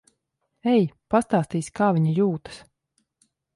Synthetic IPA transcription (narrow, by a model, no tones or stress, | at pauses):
ɛjpast̪aːst̪iːskaːviɲijuːt̪ɨ̥s